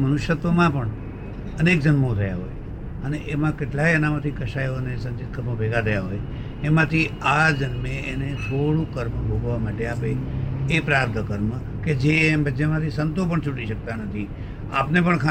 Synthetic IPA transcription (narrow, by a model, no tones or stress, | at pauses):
mənʊʃjət̪ʋəmãpəɳ | ənek̚d͡ʒənmot̪ʰəja̰ɦo̰j | əneʔemãkeʈlajənamãt̪ʰikəʃajoənesə̃nt͡ʃit̪̚kʰəɾmobʱeɡʱat̪ʰəjaɦoj | emãt̪ʰiad͡ʒənmeːnet̪ʰoɭũkəɾmbʱoɡʋamaʈeapeːpɾap̚d̪ʱəkəɾmə | ked͡ʒembəd͡ʒemãt̪ʰisənt̪op̬əɳt͡ʃʰuʈiʃək̚t̪anət̪ʰi | a̰pnepəɳkʰa